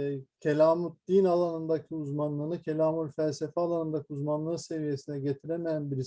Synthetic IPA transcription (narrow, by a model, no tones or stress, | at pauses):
cʰelʲaːmut̪̚d̪̥inalˠanɯnd̪acʰiuzmanlˠɯːnɯcʰe̞lʲaːmulʲfælʲse̞fɛalˠanɯnd̪acʰiuzmanlˠɯse̞vije̞sinɛɟet̪ʰiɾemejænbiɾi